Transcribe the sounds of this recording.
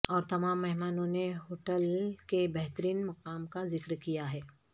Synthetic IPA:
ɔːɾt̪ɐmaːmːɛɦmaːnõneɦoːʈəlkebɛɦt̪əɾiːnmɐqaːmkazɪkɾkijaɦɛː

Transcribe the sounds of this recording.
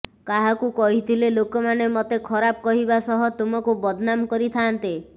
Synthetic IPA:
kaɦakukɔɦit̪ʰilelokɔmanemɔt̪ekʰɔɾab̚kɔɦibasɔɦɔt̪umɔkubɔd̪ʱnamkɔɾit̪ʰaːnt̪e

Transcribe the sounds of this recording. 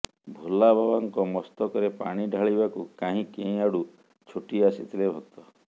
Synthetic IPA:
bʱulabʱabaŋkɔmɔst̪ɔkɔɾepaɽ̃iɖʱaɭibakukaɦĩkẽĩaɽu | t͡ʃʰuʈiasit̪ʰilebʱok̚t̪ɔ

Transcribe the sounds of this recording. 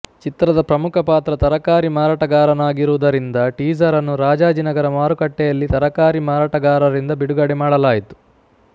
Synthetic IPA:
t͡ʃit̪ɾɐd̪ɐpɾɐmukʰɐpaːt̪ɾɐt̪ɐɾɐkaːɾimaːɾaːʈɐɡaːɾɐnaːɡiɾuʋud̪ɐɾind̪ɐʈiːd͡ʒɐɾɐnːuɾaːd͡ʒaːd͡ʒinɐɡɐɾɐmaːɾukɐʈːɛjɐlːit̪ɐɾɐkaːɾimaːɾaːʈɐɡaːɾɐɾind̪ɐbiɽuɡɐɽɛmaːɽɐlaːjit̪u̥

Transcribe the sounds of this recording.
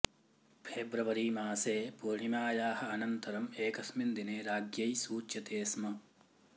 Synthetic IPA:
pʰeːbɾɐʋɐɾiːmaːseːpuɾɳimaːjaːhɐɐnɐnt̪ɐɾɐmeːkɐsmind̪ineːɾaːɡjɐjsuːt͡ʃjɐt̪eːsmɐ

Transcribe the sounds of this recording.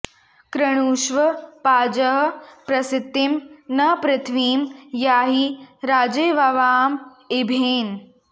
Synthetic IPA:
kɾɐɽ̃uːʃʋɐpaːd͡ʒɐɦɐpɾɐsɪt̪ːimnɐpɾɐt̪ʰʋiːmjaːɦiɾaːd͡ʒeːʋɐʋaːm | ɪbʱeːn

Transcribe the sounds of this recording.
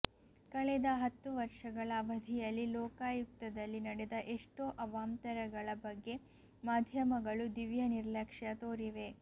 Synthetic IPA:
kɐɭed̪ɐɦɐt̪ːuʋɐɾʂɐɡɐɭɐːʋɐd̪ʱijɐlːilɔːkaːjuk̚t̪ɐd̪ɐlːinɐɽed̪ɐʔeʂʈoːʔɐʋaːmt̪ɐɾɐɡɐɭɐbɐɡːe̞ | maːd̪ʱjɐmɐɡɐɭud̪iʋjɐniɾlɐkʂjɐt̪oːɾiʋe̞

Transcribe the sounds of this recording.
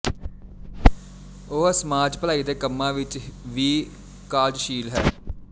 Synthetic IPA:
oːəsəmaːd͡ʒpəlaːiːd̪eːkəmːãːʋɪt͡ʃʋiː | kaːd͡ʒʃiːlɦɛː

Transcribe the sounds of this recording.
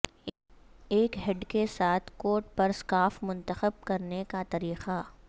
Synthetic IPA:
eːkɦɛɖkesaːt̪ʰkoːɾʈ̚pɐɾskaːfmʊ̃nt̪əxəb̚kɐɾnekat̪ɐɾiːqa

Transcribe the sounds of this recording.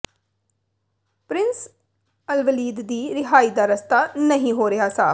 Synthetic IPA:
pɾɪns | əlʋəliːd̪d̪iːɾɪɦaːiːd̪aːɾəst̪aːnəɦĩːɦoːɾɪjaːsaː

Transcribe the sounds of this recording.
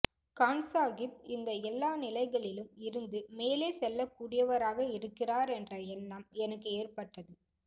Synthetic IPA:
kaːnsaːɣɪp̚ɪnd̪ɐɛlːaːnɪlɐɪɣɐɭɪlɯmɪɾɯnd̪ɯmeːleːsɛlːɐkːuːɽɪjɐʋɐɾaːɣɐɪɾɯkːɪraːɾɛndrɐɛnːɐmɛnɐkːɯeːrpɐʈːɐðɯ

